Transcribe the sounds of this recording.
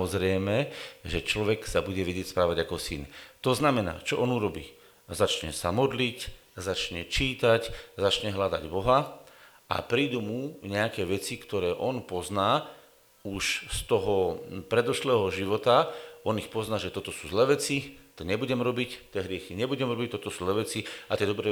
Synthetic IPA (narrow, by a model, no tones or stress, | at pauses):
ɔzɾɛjmɛʒɛt͡ʃlɔʋɛksabuɟɛʋɛɟɪɛcspɾaːʋaɟakɔsint̪ɔznamɛna̰ːt͡ʃɔʔɔnuɾɔbiː | zat͡ʃɲɛ̰samɔd̪lic | zat͡ʃɲɛt͡ʃiːt̪aczat͡ʃɲɛɦlad̪a̰ɟbɔɦa | a̰pɾiːd̪umuɲɛakɛːʋɛt͡sikt̪ɔɾɛːʔɔnpɔznaː | uʃst̪ɔɦɔpɾɛd̪ɔʃlɛːɦɔʒiʋɔt̪aɔnixpɔznaːʒɛt̪ɔt̪ɔsuːzlɛːʋɛt͡sit̪ɔɲɛbuɟɛmɾɔbict̪ɛɦɾɪɛxiɲɛbuɟɛmɾɔbic̚t̪ɔt̪ɔsuːzlɛːʋɛt͡siat̪ɪɛd̪ɔbɾɛ